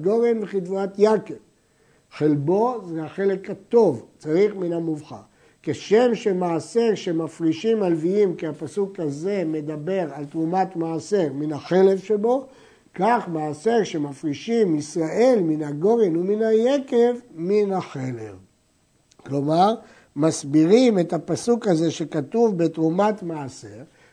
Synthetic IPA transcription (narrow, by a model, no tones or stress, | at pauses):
ɡo̞ʁenbeχit̪vat̪jakev | χelbo̞zeaχe̞le̞khat̪o̞vt͡saʁiχminamuvχa̰ | keʃe̞mʃemaːse̞ʁʃemafʁiʃimalviimkiapasukaze̞me̞d̪abe̞ʁalt̪ʁumat̪maːseʁminhaχe̞le̞vʃebo̞ | kaχmaːse̞ʁʃemafʁiʃimisʁaʔe̞lminaɡo̞ʁinuminajeke̞vminhaχelḛv | klo̞maʁ | masbiʁime̞tapasukaze̞ʃe̞kat̪uvbetʁumatmaːse̞ʁ